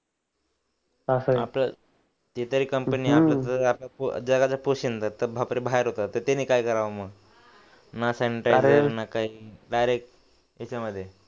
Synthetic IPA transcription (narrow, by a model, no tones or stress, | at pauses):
asəaplə | t̪et̪əɾiːkəmpəniːaplat̪əaplapo̰d͡zəɡat͡ɕapoɕint̪ət̪əbʱapɾibʱaeɾɦot̪at̪əɾt̪eniːkaikəɾaʋəməɡ | naseniʈɾaɾənakaɦiːɖajɾek̚ʈ | jat͡ɕaməd̪ʱːje